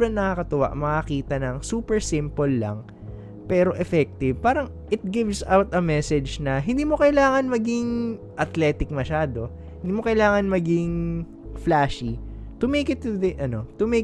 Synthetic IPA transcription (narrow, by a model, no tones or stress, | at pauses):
ɐŋnɐkɐkɐt̪ʊwa̰ʔmɐkɐkiːt̪ɐnɐŋsuːpɛɹsɪ̃mpolːɐ̰ŋ | pɛːɾo̞ʔɛfɛk̚t̪ɪvpaːɾɐŋ | ʔɪt̪̚ɡɪvsawt̪ɐmɛsɛd͡ʒnɐɦɪ̃nd̪iːmo̞kɐɪlaːŋɐnmɐɡɪŋ | ʔɐt̪lɛːt̪ɪk̚mɐʃaːd̪o̞ | hɪnd̪iːmokɐʔɪlaːŋɐnmɐɡɪŋ | flaːʃit̪ʊmejkɪt̪ːʊd̪ɛʔɐno̞t̪ʊme